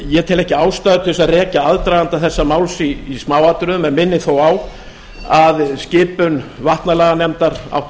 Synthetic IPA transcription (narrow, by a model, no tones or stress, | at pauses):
jɛt̪ʰɪlɛhcɪaːwst̪aːðʏt̪ʰɪðɪsaðrɛːcaaðt̪ɾajðant̪aθɛsːamaːwlsiːsmaːwat̪ɾʏðʏmɛnmɪnːɪθowaw | aðscɪːpʏnvaht̪nalɛːɣanɛmt̪aɾa̰wht̪